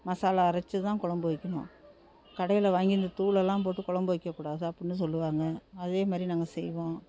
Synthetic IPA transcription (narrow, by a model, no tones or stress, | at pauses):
mɐsaːlaːɾɐt͡ʃːɯt̪ãːkɔɭɐmbʋɐɪkːɐɳʊ̰̃ | kɐɽɐjɪlɐʋaːŋɡɪɾnd̪ɐt̪uːɭɛlːãːp̬oːʈːɯkɔɭɐmbɯʋɪkːɐkːuːɽaːðɯɐpːɐɽɪnːɯs̬ɔlːɯʋaːŋɡɐɐðeːmaːd̪ɾinaːŋɡɐsɛjʋõː